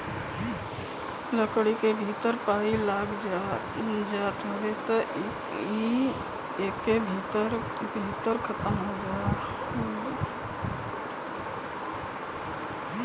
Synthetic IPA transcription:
ləkɽikebʱit̪əɾpaːilaːɡd͡ʒa | d͡ʒaːt̪ɦoʋet̪o | i | eːkːebʱit̪əɾ | bʱit̪əɾkʰət̪əmɦod͡ʒa

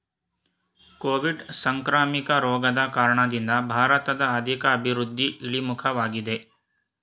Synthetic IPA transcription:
koːʋiɖsɐŋkɾaːmikɐɾɔːɡɐd̪ɐkaːɾɐɳɐd̪ind̪ɐbʱaːɾɐt̪ɐd̪ɐːd̪ʱikɐːbʱiɾud̪ʱːiʔiɭimukʰɐʋaːɡid̪e̞

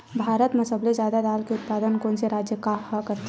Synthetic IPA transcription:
bʱaːɾət̪mɐsəblezjaːd̪ad̪aːlkeʊt̪paːd̪ənkoːnseɾaːd͡ʒjəkahakəɾt̪

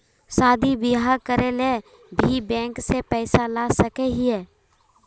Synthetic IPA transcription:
saːd̪ʱibɪɦaːɾkəɾele | bʱibɛ̃ːŋksepɛːsalaːsəkeɦiɛː

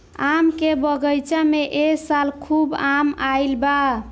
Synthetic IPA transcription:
amkebəɡəjt͡ʃameʔeksalkʰubamailba

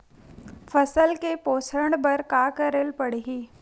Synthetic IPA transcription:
fʰɐsəlkepoːsɾəɽ̃bəɾkaːkəɾelpəɽiɦiː

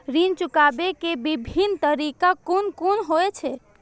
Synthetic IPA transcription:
ɾint͡ʃukabekebibʱint̪əɾikakonkonɦoet͡ʃʰɛ

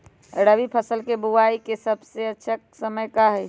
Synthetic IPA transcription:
ɾəʋipʰəsəlkebuwaikesəbseətːʃʰəksəməjkaɦɛ

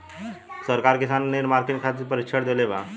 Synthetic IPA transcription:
səɾkaɾkisanːeɾmaɾkiɳkʰat̪̬iɾpəɾikt͡ʃʰəɽd̪eleʋa

